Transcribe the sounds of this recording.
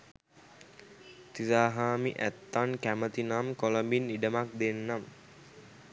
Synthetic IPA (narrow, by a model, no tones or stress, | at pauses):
t̪izaːɦaːmiʔæ̰t̪ːankæmət̪inamkoləmbinːiɖəmak̚d̪enːam